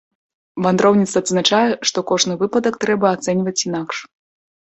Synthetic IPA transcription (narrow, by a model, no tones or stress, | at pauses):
vand̪ɾɔwnʲit̪sɐːd̪znat͡ʂajɛʂt̪ɔkɔʐnɨvɨpɐd̪ɐkt̪ɾɛbɐːt̪sɛnʲvɐt͡sʲinakʂ